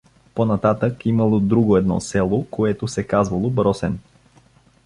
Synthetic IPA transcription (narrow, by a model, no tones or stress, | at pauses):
ponɐt̪at̪əkimɐlˠod̪ɾuɡoɛd̪nɔ̰sɛlˠokoɛt̪osɛkazvɐlˠobɾɔsɛn